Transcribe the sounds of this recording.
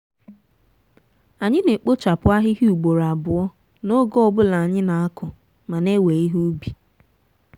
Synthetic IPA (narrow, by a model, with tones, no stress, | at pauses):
a˨ɲɪ˦ne˨k͡po˦t͡ʃa˨pʊ˨a˦ɦɪ˦ɦi˦u˨ɡ͡bo˨ɾa˨bʊ˨ɔ˦ | no˦ɡɔ˦ɔ˦˨bʊ˦la˨a˨ɲɪ˦na˨a˦kʊ˨ | ma˨ne˦we˨i˦ɦu˦bi˨